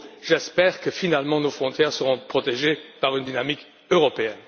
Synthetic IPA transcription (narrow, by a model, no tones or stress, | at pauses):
ʒɛspɛʁkəfinalmɑ̃nofχɔ̃t̪jɛʁsəʁɔ̃pχɔt̪eʒepaʁynd̪inamik | øʁɔpeɛn